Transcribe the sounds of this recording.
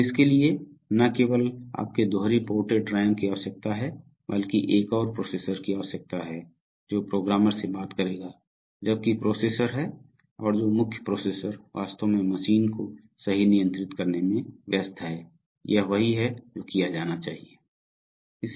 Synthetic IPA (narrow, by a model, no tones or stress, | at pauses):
ɪskelie | nɐkeːwəla̰ːp̚ked̪oːɾipoːʈeʈɾaːɪmkijaosɐk̚t̪aɦɛ | bəlkiʔeːkɔːɾpɾoːseːsəɾkiaɔsɐk̚t̪aɦɛ | d͡ʒoːpɾoːɡɾaːməɾsebaːt̪kɐɾeːɡaː | d͡ʒɐb̚kipɾoːseːsəɾɦɛ | ɔːɾd͡ʒoːmʊkʰjəpɾoːseːsəɾʋa̰ːst̪õmẽmɐʃiːnko | sɐɦinijə̃nt̪ɾɪt̪kɐɾnemẽʋjəst̪ʰɦɛː | jɐɦʋɐɦiɦɛd͡ʒoːkijad͡ʒaːnat͡ʃaːɦieː | ɪs